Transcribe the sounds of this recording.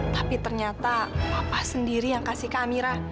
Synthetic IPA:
t̪apit̪ərɲat̪awapahsəndiɾijaŋkasihkamiɾa

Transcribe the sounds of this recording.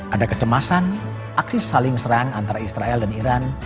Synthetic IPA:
ʔadakət̪əmasan | ʔaksisalɪŋsəɾaŋant̪aɾaisɾaɛldaniɾan

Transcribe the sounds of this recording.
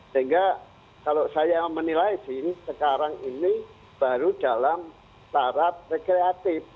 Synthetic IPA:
səiŋɡa | kalosajamənilaisɪhsəkaɾaŋini | b̥aɾudalam | t̪aɾat̪̚rekɾeat̪ɪf

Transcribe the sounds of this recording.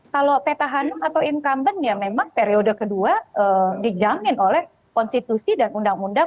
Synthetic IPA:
kalopet̪aɦanɔkat̪awiŋkambənjamemaŋpeɾiodəkəduaʔədid͡ʒamɪnolɛh | kɔnst̪it̪usidanundaŋunda

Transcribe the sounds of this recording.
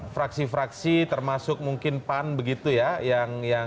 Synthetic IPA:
fɾaksifɾaksit̪ərmasʊk̚muŋkɪnpanbəɡit̪ujajaŋja

